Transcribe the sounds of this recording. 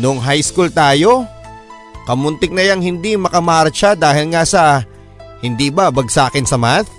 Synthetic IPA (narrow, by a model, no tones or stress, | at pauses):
nʊŋɦajskult̪aːjo̞ | kɐmʊnt̪ɪɡ̚nɐjɐŋhɪnd̪imɐkɐmaɾt͡ʃɐd̪aːhɪlŋasɐ | hɪnd̪ibabɐɡ̚saːkɪnsɐmat̪